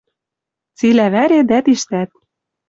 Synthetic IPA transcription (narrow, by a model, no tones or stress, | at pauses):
t͡silæβæɾed̪æt̪iʃt̪æt̪̚